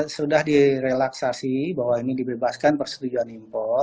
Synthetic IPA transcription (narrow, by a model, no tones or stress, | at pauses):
sudahdiɾelaksasibaɦwainidibebaskanpərsə̥t̪ud͡ʒuanimpɔ